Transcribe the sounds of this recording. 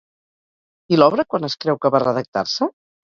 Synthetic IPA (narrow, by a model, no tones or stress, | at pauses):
ilɔβɾəkwanəskɾɛwkəβarəðək̚t̪a̰ɾsə